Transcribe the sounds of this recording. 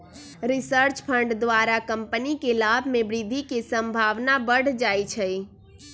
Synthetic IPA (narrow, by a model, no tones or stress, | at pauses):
ɾisəɾt͡ʃpʰəɳɖd̪ʋaɾakəmpənikelabʱmebɾid̪ʱikesə̃mbʱaʋnabəɽ̤d͡ʒajt͡ʃʰəj